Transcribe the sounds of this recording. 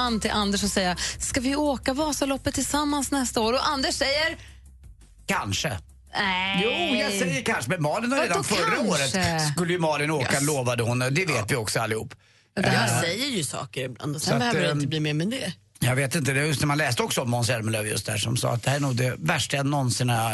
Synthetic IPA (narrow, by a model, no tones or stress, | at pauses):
ant̪ɪʔand̪əʂɔsɛjːaskavɪoːkavɑːsalɔpːət̪ʰːɪlsamːansnɛst̪aoːɾɔʔand̪əʂːɛjːəɾ | kʰanʂə | nɛjuːjaɡsɛjːəɾkʰanʂəmɛmɑːlɪnɔɾeːd̪fœɾaoːɾət̪skɵlːəjɵmɑːlɪnoːkaloːvad̪əhʊnd̪ɛveːt̪vɪɔksɔalːɪhṵːpː | sɛjːəjɵsɑ̰ːkəɾɪbla̰nd̪ɔsabɛhøːvɾɪnəbliːmeːmɛd̪ɛ | jɑːɡveːt̪ɪnt̪əɛjɵst̪næɾmanlɛːst̪əɔksɔɔmːɔns̬ɛlməlø̰ːvjɵ̰st̪d̪ɛæ̰ːʂɔmsɑ̰ːa̰t̪̚d̪ɛhæːɾɛɳuːɡd̪ɛvæʂʈaɛnːɔnsɪna